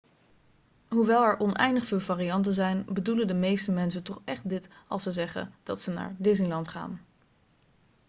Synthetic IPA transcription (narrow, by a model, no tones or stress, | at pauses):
ɦuʋɛlˠɛɹʔɔnʔɛ̰jndəχfɪːlˠvaːriɑnt̬əzɛjnbəduləndəmejstəmɛns̬ətɔχɛχt̚dɪtɑ̰lˠsəzɛχə̰d̥ɑtsəna̰ːɹdɪs̬nilɑntχa̰ːn